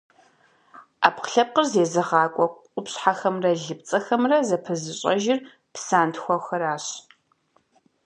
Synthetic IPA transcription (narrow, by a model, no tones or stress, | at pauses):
a̰ːpqɬɐp̚qərzeːzɨʁɑːkʷʼɔ | ʊpɕħaxɐmrɐɮɨp̚t͡sʼɐxɐmrɐzɐpʰɨzɨɕʼɐ̰ʒɪr | psaːntxʷɔxɐɾaːɕ